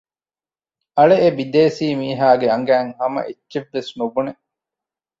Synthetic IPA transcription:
ɐɭeːbid̪eːsiːmiːɦaːɡeɐŋɡæːŋhɐmɐ̰ʔetːt͡ʃeʋːesnubune

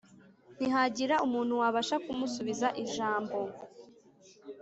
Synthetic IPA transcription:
n̥iɦaɟiɾaʔumuːn̥huwaβaʃakumusuβizaʔiʒaːmbo̞

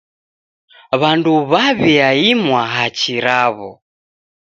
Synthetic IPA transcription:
βanduβaβiaimwaɦat͡ʃiɾaβɔ

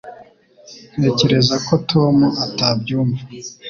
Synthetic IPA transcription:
n̥e̞ːce̞ɾe̞zako̞tʰo̞muʔatabɟuːma

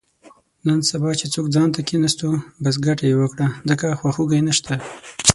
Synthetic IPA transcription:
nansabɑt͡ʃet͡sokd͡zɑnt̪akinast̪obas̬ɡaʈajewəkɽazəkaxwaxuɡajnaʃt̪ʰa

